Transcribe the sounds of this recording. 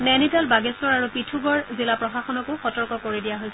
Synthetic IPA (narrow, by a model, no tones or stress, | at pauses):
nɛnitalbaɡɛstɔɹaɹupitʰuɡɔɹzilapɹɔxaxɔnɔkʊxɔtɔɹkɔkoɹidijaɦojsɛ